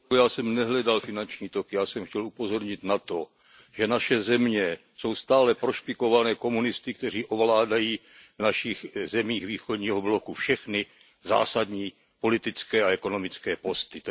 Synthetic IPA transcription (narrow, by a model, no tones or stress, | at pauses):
jaːsɛmnɛɦlɛdalfɪnant͡ʃɲiːt̪okɪjaːsɛmxcɛlupo̞zo̞ɾɲɪt̪nat̪o̞ | ʒ̥ɛnaʃɛzɛmɲɛ | so̞wst̪aːlɛpɾoʃpɪko̞vanɛːko̞munɪst̪ɪk̚t̪ɛr̝iːʔo̞vlaːdajiːvnaʃixzɛmiːɣviːxodɲiːɦoblokufʃɛxnɪ | za̰ːsad̪ɲiː | po̞lɪt̪ɪt͡skɛːaɛko̞no̞mɪt͡skɛːpo̞st̪ɪ